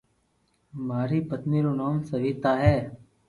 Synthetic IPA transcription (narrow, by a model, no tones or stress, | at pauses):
maːɾiːpət̪niːɾoːnaːmsəʋiːt̪aːɦɛː